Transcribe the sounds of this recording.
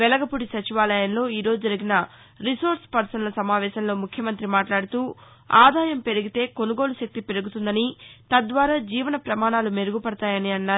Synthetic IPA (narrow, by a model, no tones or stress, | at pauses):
ʋɛlɐɡɐpuɽisɐt͡ʃiʋaːlɐjɐnlo̞ːiːɾo̞ːd͡ʒud͡ʒɐɾiɡinɐ | ɾisoːɾspɐɾsɐnlɐsɐmaːʋɛːʃɐmlo̞ːmukʰjɐmɐnt̪ɾimaːʈlaːɽut̪uː | aːd̪aːjɐmpe̞ɾuɡit̪e̞ːko̞nuɡo̞ːluʃek̚t̪ipe̞ɾuɡut̪und̪ɐnit̪ɐd̪ʋaːɾaːd͡ʒiːʋɐnɐpɾɐmaːɳaːlume̞ɾuɡupɐɽɐt̪aːjɐniɐnːaː